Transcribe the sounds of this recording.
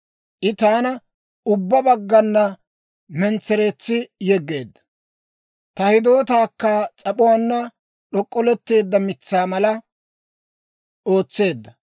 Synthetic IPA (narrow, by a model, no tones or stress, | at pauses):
ʔɪt̪aːnɐ | ʊbːɐbɐɡːɐnːɐ | mɛnt͡sːɛɾeːt͡sːɪjɛɡːe̞ːd̪ːɐ̥ | t̪ɐhɪd̪o̞ːt̪aːkːɐt͡sʼɐpʼʊwaːnːɐ | ɗɔkʼːɔlɛt̪ːe̞ːd̪ːɐmɪt͡sːaːmɐlɐ | o̞ːt͡sːe̞ːd̪ːɐ